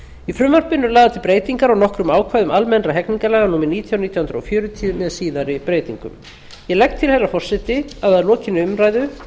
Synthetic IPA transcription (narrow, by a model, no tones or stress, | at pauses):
ifɾʏmvaɾ̥pʏnːʏlaːðat̪ʰɪlpɾeːjt̪iŋkaɾawnɔhkɾʏmaːwkʰvajðʏmʔalmɛnraɦɛkniŋkalɛːɣanuːmɪniːt̪ʰjawniːt̪jahʏnd̪ɾɔ̰fjœːɾʏt̪ʰiʏmɛðsiːðaɾɪpɾeːjt̪ḭŋkʏ̰m | jɛlɛk̚t̪ʰːɪlhɛrːafɔr̥sɛt̪ɪaðaðlɔːcɪnːɪʏmɾajðʏ